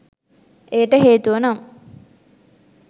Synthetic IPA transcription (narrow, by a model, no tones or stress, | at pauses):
ʔejəʈəɦeːt̪uʋənom